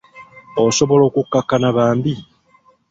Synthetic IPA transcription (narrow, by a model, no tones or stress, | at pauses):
oso̞βo̞lo̞ːkukːakːanaβaːmbi